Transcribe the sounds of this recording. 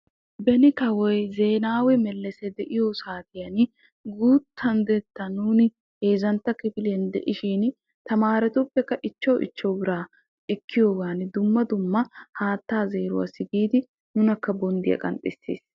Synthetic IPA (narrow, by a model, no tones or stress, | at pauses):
bɛnɪkɐwɔjze̞ːnaːwɛmɛlːɛsɛd̪ɛʔɪjosaːt̪ɪjɐn | ɡuːt̪ʰːɐnd̪ɛt̪ːɐnuːnɪ | heːzɐnt̪ːɐkɪbɪlɛnd̪ɛ̰ʔɪʃiːn | t̪ɐmaːɾɛt̪ɔpːɛkːɐʔɪt͡ʃːɐwʔɪ̰t͡ʃːɔwbɪɾaː | ɛkːɪjoːɡaːnɪd̪ʊmːɐd̪ʊmːɐhaːt̪ːaːze̞ːɾʊ̰wɐ̰sɪɡiːd̪ɪ | nʊnɐkːɐbɔnd̪ɪjɐ̰kʼɐ̰nt̪ʼɪsːḛːs